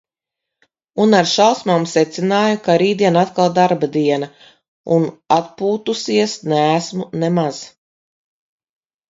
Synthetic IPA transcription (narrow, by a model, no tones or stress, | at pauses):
unaɾʃalˠsmaːmsɛt̪sinaːjukaɾiːd̪iɛnat̪kalˠd̪aɾbad̪iɛna | unat̪̚puːt̪usiɛsnɛæsmunɛmaz̥